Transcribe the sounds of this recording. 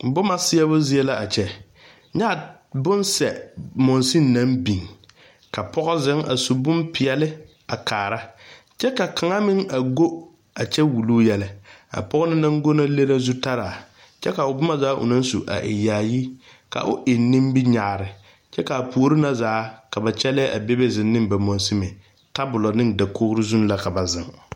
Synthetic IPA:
bʊ˦ma˨sɪ˦jɛ˦βʊ˦zɪ˦ɛ˦la˦ʔa˨t͡ʃɛ˨ | ɲa˦˨ | bʊ˦nsɛ˨mɔ˨nsi˦nː˦a˦mbi˨ŋ | ka˨pɔ˦ɣɔ˦zɪ˦ŋa̰˨su˨bʊ˦mpɪ˨ɛ˨lɪ˦ | a˨kʰaː˨ɾa˦ | t͡ʃɛ˦ka˨ka˨ŋa˦mɪ˦ŋa˨ɡo˦ | a˨t͡ʃɛ˦wu˨luː˦jɛ˨lɪ˨a̰˨pɔ˦ɣʊ˦nɪ˦na˦ŋ˦ɡo˦na˦le˦ɾa˦zu˦ta˦ɾaː˨ | t͡ʃɛ˦ka˨ʊ˨bʊ˦ma˦zaː˨˦ʔʊ̰˨na˦n˦sṵ˨ʔa̰˨ʔɪ̰˨jaː˨ji˦ | ka̰˨ʔʊ˦ʔɪ˨nːɪ˦mbi˦ɲa˨ɾɪ˨ | t͡ʃɛ˦ka˨a˨pu˨o˦ɾɪ˦na˦zaː˨˦ka˨ba˨t͡ʃɛ˦lɛ˦ʔa̰˨be˦be˦zɪ˨nːɪ̃˦mba˨mɔ˨n˦sɪ˦mɪ˨ | ta˦bʊ˨lɔ˨nɪ˦ŋda˨kʰo˦hɾɪ˦zu˦n˦la˨ka˨ba˨zɪ˨ŋ

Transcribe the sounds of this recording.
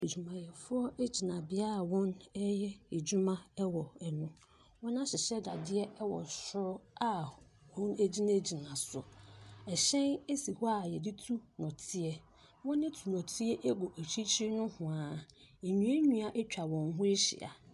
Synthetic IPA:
e˨d͡ʑᶣu˨mã˨jɛ˨fʊ˦ɔ˦ʔe˦d͡ʑi˨nã˨bɪ˦a˦a˨wɔ̃˦nɛ˦jɛ˦e˨d͡ʑu˦mã˦ɛ˦wɔ˨ɛ˨nʊ̃˦ | wɔ̃˦nã˦ɕɪ˨ɕɛ˦da˨dɪ˦ɛ˦wɔ̰˨ɕʊ˦ɾɔ˦a˦ | wɔ̃˦ne˦d͡ʑi˦nã˦˨d͡ʑi˨nã˨sʊ˨ɛ˨ɕɛ̃˦ne˦si˨hɔ˦a˦˨jɛ˨di˦tʰu˦nɔ̃˨tʰɪ˦ɛ˦ | wɔ̃˦nːɪ̃˦tʰu˨nɔ̃˨tʰɪ˦ɛ˦ʔe˦ɡɔ˨ʔæ˨t͡ɕʰi˦t͡ɕʰi˦nʊ̃˦hʊ̃˨ãː˨e˨ɲũ˨˦e˦ɲũ˦a˨ʔe˦t͡ɕᶣa˨wɔ̃˨ŋɦʊ̃˦e˦ɕɪ̰˨a̰˨

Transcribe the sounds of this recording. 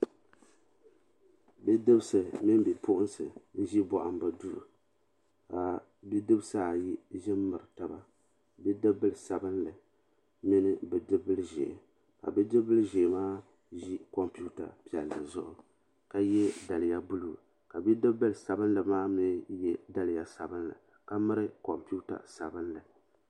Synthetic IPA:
bɨ˦dɨ˦bsɨ˨mɨ˦m˦be˨pʰʊ˦ʔʊ˦nsɨ˨n̩˦ʒi˦bɔ˨ʔa˨m˦bɨ˨du˦ɾu˨ | ka˨ | bi˦dɨ˦bsaː˦˨ji˦ʒɪ˦mːɨ˨ɾɨ˨ta˨ba˦ | bɛ˦dɨ˦bɨ˦lɨ˨sa˨bɨ˦nlɨ˨ | mɪ˦nɨ˦bɨ˨dɨ˦bɨ˦lɨ˦ʒḛ˨ | ka̰˨bi˦dɨ˦bɨ˦lʒe˨maː˦ | ʒi˦ko˨mpi˦u˦ta̰˨pi˦˨ɛ˨lːa̰˨zʊ˦ʔʊ˨ | ka˨jɛ˦da˨lja˦bu˦luː˦˨ | ka˨bi˦dɨ˦bɨ˦lɨ˨sa˨bɨ˦n˦lɨ˨maː˦mɪ˦n˦jɛ˦da˦lɪ˨ja˨sa˨bɨ˦n˦la̰˨ | ka˦mɨ˦ɾɨ˦ko˨mpi˦u˦ta̰˨sa˨bɨ˦nlɨ˨

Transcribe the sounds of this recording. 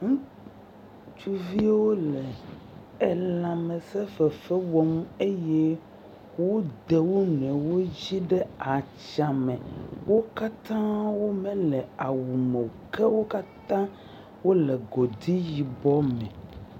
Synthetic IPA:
ŋũ˦ | t͡ʃu˦vi˦wo˦lɛ˨ | e˨lã˨mɛ̃˨sɛ˦fɛ˨fɛ˦wɔ˦m˦e˦je˦ | wo˦d̪e˨wo˦nɛ̃˨wo˦d͡ʑi˦ɖɛ˦a˨t͡ʃa˨mɛ̃˨wo˦ka˦t̪ã˦wo˦mɛ̃˦lɛ˨a˨wu˨mɛ˨kɛ˦wo˦ka˦t̪ã˦ | wo˦lɛ˨ɡɔ˨d̪i˦ji˨bɔ˦mɛ̃˨

